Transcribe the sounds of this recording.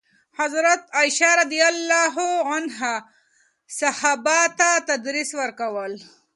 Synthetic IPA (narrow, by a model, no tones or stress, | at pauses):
hazɾat̪ajʃaɾad̪ijalːɑɦuanɦa | sahɑbat̪at̪ad̪ɾiswəɾkawəl